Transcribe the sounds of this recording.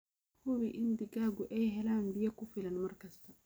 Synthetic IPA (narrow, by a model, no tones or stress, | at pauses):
hʊβiʔɪnd̪ɪɡaːɡʊʔɛjɦɛlaːnbijɐkʊfɪlɐnmɐrkɐst̪ʰɐ